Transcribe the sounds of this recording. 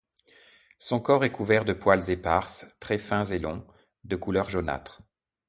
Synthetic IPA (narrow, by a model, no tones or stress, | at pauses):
sɔ̃kɔʁɛkuvɛʁd̪əpwalzepaʁst̪χɛfɛ̃zelɔ̃ | d̪əkulœʁʒona̰t̪χ